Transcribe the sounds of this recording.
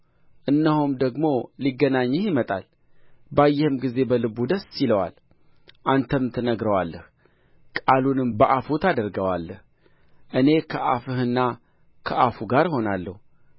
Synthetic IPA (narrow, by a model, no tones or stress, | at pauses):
ʔɨnːəhumd̪əɡmo̞liɡːənaɲːɨhjɪmət̪ʼa̰l | bajːɛhɨmɡize̞bəlɨbud̪əsːiləwa̰l | ʔant̪ʰəmt̪ʰənəɡɾəwalːəh | kʼalunɨmbəʔafut̪ʰad̪əɾɡəwalːəh | ʔɨne̞kʰəʔafɨhɨnːa | kʰəʔafuɡaɾho̞nalːəhu